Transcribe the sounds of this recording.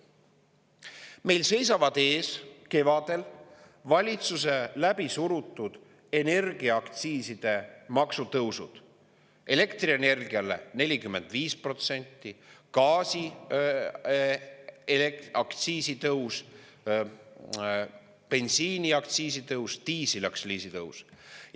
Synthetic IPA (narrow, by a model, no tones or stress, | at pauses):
me̞jlse̞jsɑvɑd̪̥e̞ːske̞vɑd̪̥e̞l | vɑlʲit̪sus̬e̞læbisuɾut̪ːˑud̪̥ | e̞ne̞rɡiɑɑkt̪siːsid̪̥e̞mɑksut̪ɤwsṵd̪̥ | e̞le̞kt̪riene̞rɡ̥iɑle̞̰ne̞lʲikymːe̞nd̪̥viːspro̞t̪se̞nʲt̪ːikɑːsi | elekɑkt̪siːsit̪ɤws | pe̞nsiːniɑk̚t̪siːsit̪ɤwst̪iːsilɑksliːsit̪ɤws